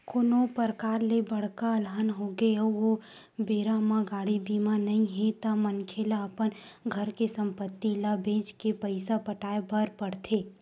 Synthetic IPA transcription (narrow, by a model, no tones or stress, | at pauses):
koːnopəɾkaːɾlebəɽ̤kaəlɦənɦoɡeəʋo | beːɾamãɡaːɽibiːmanɐɦĩɦẽt̪amənkʰelaəpənɡʱəɾkesə̃mpət̪ːilabẽːd͡ʒkepəɪsapəʈaːebəɾpəɽt̪ʰeː